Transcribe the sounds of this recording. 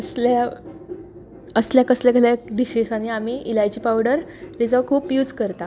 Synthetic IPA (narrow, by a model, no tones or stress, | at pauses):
əsla | əsljakəsljaɡaljad̪iɕisaɽ̃iamiːʔilajd͡ʑiːpawɽəɾɾid͡zakʰuːpjuːd͡zkəɾt̪a